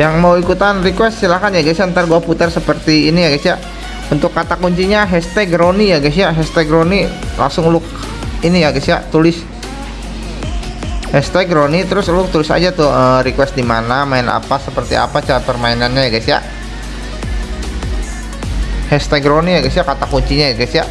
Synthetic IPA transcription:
jaŋmawikut̪anrikwɛst̪silahkanjaɡasiaənt̪arɡuaput̪ərsəpərt̪iːnijaɡasiaʔ | unt̪ʊkːat̪akuɲt͡ʃiɲaɦɛst̪ɛɡɾonijaɡas̬iaɦɛst̪ɛɡɾoni | la̰ŋsʊŋlʊk̚ | inijaɡasia̰t̪ulɪs | hɛst̪ɛɡɾonit̪əɾʊsulʊk̚t̪ulɪsa̰d͡ʒat̪ʊəɾikwɛst̪̚dimanamaɪna̰pasəpərt̪ḭa̰pat͡ʃaɾapərmainanɲajaɡasia̰ʔ | hɛst̪ɛɡɾonijaɡɛsijakat̪akuɲt͡ʃiɲajaɡasiaʔ

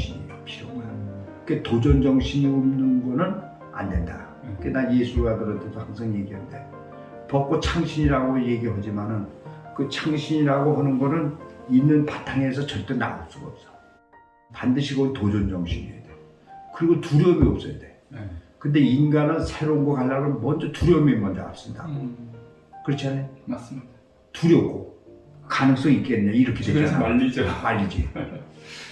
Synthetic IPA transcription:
iɲiʌp̚ɕiʌa | ketod͡ʑʌnd͡ʑʌŋɕʰiɲiomnɯnɡʌnɯn | a̰nde̞̰nda̰ | k͈enaje̞sʰuɡadɯɾʌtʰedohaŋsʰaŋje̞ɡiɦande | pʌp̚k͈ot͡ɕʰaŋɕʰiɲiɾaɡoje̞ɡiɦad͡ʑimanɯnkɯt͡ɕʰaŋɕʰiɲiɾaɡohanɯnɡʌnɯninːɯnpatʰaŋe̞sʰʌt͡ɕʌɭt͈ena̰op̚s͈uɡaʌp̚s͈ʌ̥ | pandɯɕʰiɡotod͡ʑond͡ʑʌŋɕʰiɲḭḛd̥e | kɯɾiɡotuɾjʌmiʌp̚s͈ʌjde̞ | kɯnde̞inɡanɯnsʰe̞ɾounɡakaɭːaɾonmʌnd͡ʑʌtuɾjʌmimʌnd͡ʑʌa̰s͈ɯmɲida | kɯɾʌt͡ɕʰiane | tuɾjʌp̚k͈okanɯŋs͈ʌŋiik͈enɯɲaiɾʌkʰedeaʎid͡ʑmaʎːid͡ʑḭ

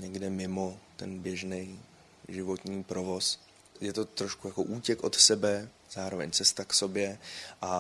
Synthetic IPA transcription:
ɲɛɡdɛmɪmo̞t̪ɛnbjɛʒnɛj | ʒɪvo̞t̪ɲiːpɾo̞vo̞s | jɛt̪o̞t̪ɾoʃkujako̞̰ʔuːcɛkʔo̞t̪sɛbɛ | z̥aːɾo̞vɛ̰ɲt͡sɛst̪akso̞bjɛʔa

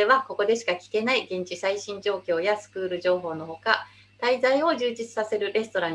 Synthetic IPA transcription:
e̞βako̞ko̞d̪e̞ɕi̥kakʲi̥ke̞naiɡẽ̞ɲ̟t͡ɕisaiɕĩɲd͡ʑo̞ːkʲo̞ːjasɨ̥kɯ̟ːɾɯ̟ʑo̞ːɦo̞ːno̞ho̞ka | t̪aizaio̞ʑɨːd͡ʑit͡sɨ̥sase̞ɾɯ̟ɾe̞sɨ̥t̪o̞ɾãɲ

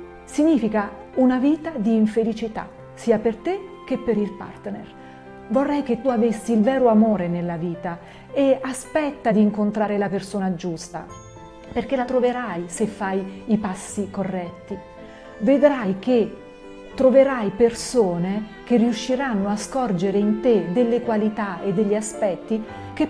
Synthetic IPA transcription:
siɲːiːfika | unaviːt̪ad̪iːɱfelit͡ʃit̪a̰ | siːapert̪ek̟epːeɾilpa̰rt̪nḛr | vorːɛjk̟et̪ːuavesːiːlvɛːɾoamoːɾenelːaviːt̪a | easpɛt̪ːad̪iːŋkont̪ɾaːɾelapersoːnad͡ʒust̪a̰ | perk̟elat̪ɾoveɾajsefːajipasːikorːɛt̪ːi | ved̪ɾajk̟e | t̪ːɾoveɾajpersoːne | k̟erːiuʃːiɾanːoaskɔrd͡ʒeɾeint̪ed̪elːekwalit̪aed̪ːeʎːiaspɛt̪ːi | k̟e

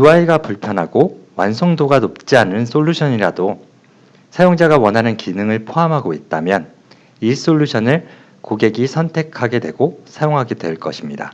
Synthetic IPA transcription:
juaiɡapuɭpʰjʌnɦaɡowansʰoŋdoɡanop̚t͡ɕ͈ianɯnsʰoʎːuɕʰʌɲiɾado | sʰajoŋd͡ʑaɡawʌnɦanɯnkinɯŋɯɭpʰoamɦaɡoit̚t͈amjʌn | is͈oʎːuɕʰʌnɯɭ | koɡe̞ɡisʰʌntʰe̞kʰaɡe̞dwe̞ɡosʰajoŋɦaɡedwe̞ɭk͈ʌɕʰimɲida̰

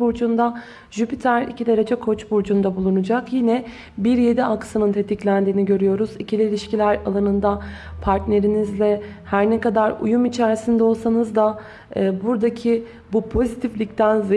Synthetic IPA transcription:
buɾd͡ʒund̪a | ʒypit̪ʰæɾḭcid̪ʲeɾed͡ʒɛkʰo̞t͡ʃbuɾd͡ʒund̪abulˠunud͡ʒakjinɛ | biɾje̞d̪iaksɯnɯnt̪ʰe̞t̪ʰiclʲænd̪iːniɟø̞ɾyjo̞ɾuzicʰilʲiilʲiʃcilʲæɾa̰lˠanɯnd̪apʰaɾt̪ne̞ɾinizlʲɛ | hæɾnɛkad̪aɾṵjumit͡ʃʰæɾsind̪ɛo̞lˠsanɯzd̪aː | buɾd̪acʰi | bupʰo̞zit̪ʰiflʲic̚t̪ʰænz

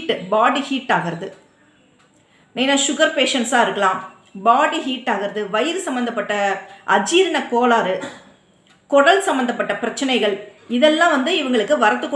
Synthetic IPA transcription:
ʈːɯbaːɽihiːʈːaːɣɪɾɐðɯ | neːnãːʃʊɣɐɾpeːʂɐnsaːɪɾɯkːɐɭãːm | baːɽihiːʈːaːɣɪɾɐðɯʋɐjɪɾsɐmbɐnd̪ɐpːɐʈːɐʔɐd͡ʒiːɾɪnɐkoːlaːɾɯ | kɔɽɐlsɐmbɐnd̪ɐpːɐʈːɐpɪɾɐt͡ʃːɐnɐɪɣɐɭ | ɪðɛlːãːʋɐnd̪ɯɪʋɐŋɡɐɭɯkːɯʋɐɾɐt̪ːɯkː

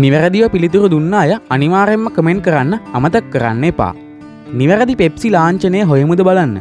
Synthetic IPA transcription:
niʋərəd̪iʋəpilit̪uɾud̪unːaːjɐɐniʋaːɾemːəkəmeɳɖ̚kəɾanːəɐmət̪əkːəɾa̰nːepa̰ː | niʋɐɾəd̪ipepsilaːɲt͡ʃənejəɦojəmud̪əbalanːə̰

